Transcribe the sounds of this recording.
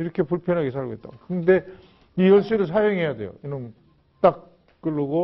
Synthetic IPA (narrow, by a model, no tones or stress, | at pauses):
iɾʌkʰe̞puɭpʰjʌnɦaɡes̬ʰaɭɡoit̚t͈a̰kɯnde̞ | ijʌɭɕ͈iɾɯɭs̬ʰajʌŋɦe̞jade̞̰jo̰inɯn | t͈ak̚ | k͈ɯɭːɯɡo